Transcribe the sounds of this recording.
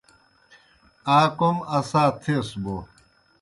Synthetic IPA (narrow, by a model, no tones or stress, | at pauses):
aːkomɐsaːt̪ʰesbo